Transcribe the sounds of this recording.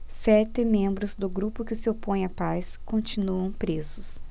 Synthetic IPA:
sɛt̪ɪmẽmbɾʊzd̪ʊɡɾupʊkɪsɪopõj̃ɐpaskõt͡ʃinuɐ̃w̃pɾezʊs

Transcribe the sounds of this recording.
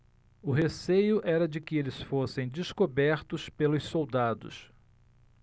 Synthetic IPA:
ʊɦesejʊʔɛɾɐd͡ʒɪkɪelɪsfosẽj̃d͡ʒ̪ɪskobɛɾt̪ʊspelʊssowd̪ad̪ʊ̰s

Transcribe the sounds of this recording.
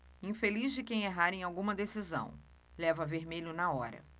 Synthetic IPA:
ĩfelizd͡ʒɪkẽj̃eɦaɾẽj̃awɡũmɐd̪esizɐ̰̃w̃ | lɛvɐveɾmeʎʊnɐɔɾɐ̰

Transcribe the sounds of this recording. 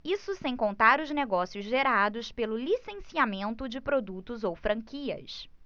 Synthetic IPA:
isʊsẽj̃kõnt̪aɾʊzneɡɔsijʊzʒeɾad̪ʊspelʊlisẽsiamẽnt̪ʊd͡ʒɪpɾod̪ut̪ʊzowfɾɐ̃ŋkiɐ̰s

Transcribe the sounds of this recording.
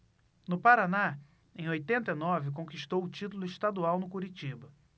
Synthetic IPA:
nʊpaɾana | ẽj̃ojt̪ẽnt̪ɐinɔvɪk̬õkiʃt̪owʊt͡ʃit̪ulʊiʃt̪ad̪uawnʊkuɾit͡ʃibɐ

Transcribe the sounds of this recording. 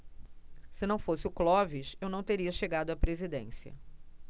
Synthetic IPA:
sɪnɐ̃w̃fosɪʊklɔviʃewnɐ̃w̃t̪eɾiɐʃeɡad̪ʊapɾezid̪ḛ̃siɐ̰

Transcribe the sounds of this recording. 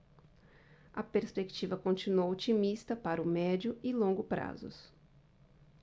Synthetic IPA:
ɐpeɾspekt͡ʃivɐkõnt͡ʃinuowɔt͡ʃimist̪ɐpaɾɐʊmɛd͡ʒʊɪlõŋɡʊpɾa̰zʊ̰s

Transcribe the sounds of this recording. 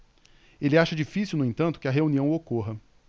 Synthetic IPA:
elɪaʃɐd͡ʒifisiwnʊẽnt̪ɐ̃nt̪ʊkɪɐɦeuniɐ̃w̃okoɦɐ

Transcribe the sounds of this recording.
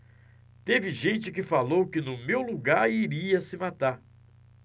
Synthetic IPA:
t̪evɪʒẽnt͡ʃɪkɪfalowkɪnʊmewluɡaɾiɾiɐsɪmat̪aɾ

